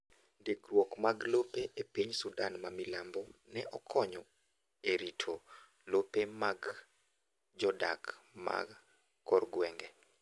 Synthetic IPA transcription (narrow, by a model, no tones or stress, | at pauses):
deɡɾwɔkmaɡlopeʔepiɲsudanmamilambɔnɛʔɔkʰɔɲɔ | eɾitʰo | lopemaɡ | d͡ʒɔda̰kma̰ɡ | kːɔrɡwɛŋɡɛ